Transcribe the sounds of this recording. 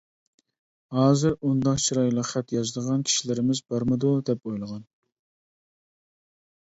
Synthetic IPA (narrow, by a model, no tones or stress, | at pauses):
hɑːzɪɾund̪ɑqt͡ʃʰiɾɑjlˠəqχæt̪jɑzd̪əʁɑnkʲʰi̥ʃilɪɾɪmɪzbɑɾmɨd̪ud̪ɛp̚ojlˠəʁɑn